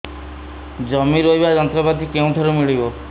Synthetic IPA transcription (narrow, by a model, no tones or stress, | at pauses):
d͡ʒɔmiɾoibad͡ʒɔnt̪ɾɔpat̪ikeũt̪ʰɔɾumiɭibo